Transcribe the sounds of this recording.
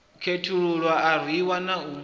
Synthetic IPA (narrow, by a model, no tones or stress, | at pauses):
kʰetʰuɺuɺwaːɾ̤iwanau